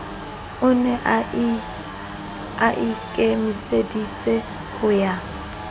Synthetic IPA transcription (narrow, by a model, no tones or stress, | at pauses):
ʊnɛʔ | aʔɪkʼɛmɪsedit͡sʼɛ | hʊja